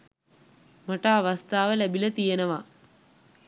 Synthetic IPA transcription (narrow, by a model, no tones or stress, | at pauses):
maʈaːʋast̪aːʋəlæbilət̪ijenəʋa